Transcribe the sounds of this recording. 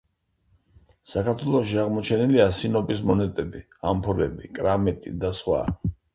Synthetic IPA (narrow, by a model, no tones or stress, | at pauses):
sakaɾt̪ʰwɛlˠɔʃiaʁmɔt͡ʃʰɛniliasinɔpʼismɔnɛt̪ʼɛbi | ampʰɔɾlɛ̰bḭkʼɾamɛt̪ʼḭd̪asχwa̰